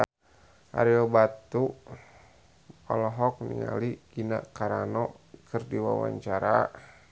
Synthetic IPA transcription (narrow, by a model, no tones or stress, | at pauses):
a̰ɾiɔbat̪u | ɔ̰lɔɦɔk̚nḭŋa̰liɡ̥inakaɾanɔ | kɨrdiwawa̰ɲt͡ʃaɾa